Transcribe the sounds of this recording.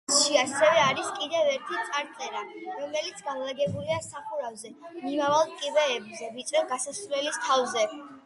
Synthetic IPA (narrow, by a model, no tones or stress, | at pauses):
ʃiasɛvɛaɾiskʼid̪ɛvɛɾt̪ʰit̪sʼaɾt̪sʼɛɾaɾɔmɛlit̪sʰɡamlˠaɡɛbuliasaχuɾavzɛmimavalˠkʼibɛːbzɛvit̪sʼɾɛvɡasasvlɛlist̪ʰavzɛ